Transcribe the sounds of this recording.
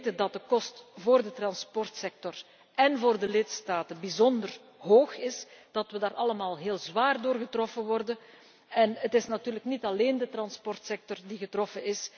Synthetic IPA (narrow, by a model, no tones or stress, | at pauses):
tədɑt̚dəkɔstvoːrdətrɑnspɔrtsɛk̚tɔr | ɛnvoːrdəlɪtstaːtənbizɔndər | ɦoːxɪsd̥ɑtʋədaːɾɑləmaːlˠɦeːlˠzʋaːrdoːrɣətrɔfənʋɔrdən | ɛnətɪsnatyːrləknitɑleːndətrɑnspɔrtsɛk̚tɔrdiɣətrɔfənɪs